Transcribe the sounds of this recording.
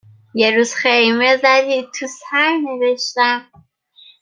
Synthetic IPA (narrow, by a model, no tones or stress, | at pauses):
jeɾuːz̥xejmezæd̪it̪ʰusæjneveʃt̪æm